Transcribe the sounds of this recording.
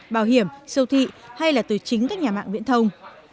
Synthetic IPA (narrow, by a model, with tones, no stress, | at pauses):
ɓaː˧˩wɦi˧˩əmsə˧wt̪ʰḭ˧˨ha˧jlaː˨˩t̪ɨ˨˩t͡ɕï˨˦ŋ̟kaː˦˥k̚ɲaː˨˩ma̰ː˧˨ŋvḭ˧˥ənt̪ʰə˧wŋ͡m